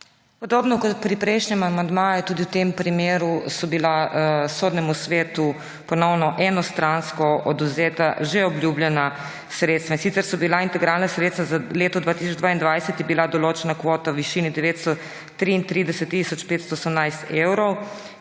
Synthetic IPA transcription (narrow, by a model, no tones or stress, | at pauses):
pɔd̪oːbnɔkɔt̪pɾipɾɛjʃnɲɛmamand̪maːjut̪uːd̪iwt̪empɾimeːɾusɔbilasoːd̪nɛmusʋeːt̪u | pɔnɔwnɔʔɛnɔst̪ɾanskɔʔɔd̪uzeːt̪aʒeɔbljubljɛna | sɾeːt̪st̪ʋainsit̪ɛɾsɔbilaint̪ɛɡɾalnasɾet̪t̪ʋazaleːt̪ɔd̪ʋaːt̪isɔd͡ʒd̪ʋaind̪ʋajsɛt̪jɛbilad̪ɔloːt͡ʃɛnakʋoːt̪awʋiʃinid̪ɛʋeːt̪st̪ɔ | t̪ɾiːnt̪ɾid̪ɛsɛt̪ːisɔt͡ʃpeːt̪st̪ɔosəmnajst̪ewɾɔw